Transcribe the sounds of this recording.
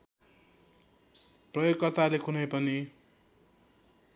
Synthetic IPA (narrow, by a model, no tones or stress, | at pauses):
prʌjokkːʌrt̪alekʰunʌjpʌni